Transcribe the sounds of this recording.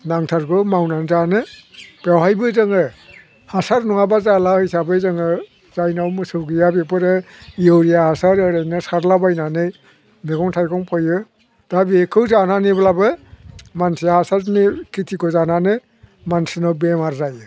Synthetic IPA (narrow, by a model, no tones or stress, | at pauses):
naŋtʰaɾɡɔmawnanzanɯb̥awhajbɯzɯŋɯ | hasaɾnɔŋabazalahɯjsabɯzɯŋɯ | zajnawmɯsɯwɡijabepɯɾɯijɯwɾijahasaɾɯɾajnɯsaɾlabajnanɯj | nekɔŋtʰajkʰɔŋpʰɔjɯ | d̥abikʰɯwzananiblabɯmansijahasaɾnikitʰikɔzananɯ | mansɯnawbemaɾzajɯ